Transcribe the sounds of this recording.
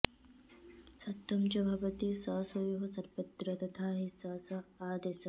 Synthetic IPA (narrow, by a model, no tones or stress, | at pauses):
sɐt̪ːɐmt͡ʃɐbʱɐbɐt̪isaːsojoɦsɐɾpɐt̪ɾɐt̪ɐt̪ʰaːɦisaːsɐaːd̪eːsɐ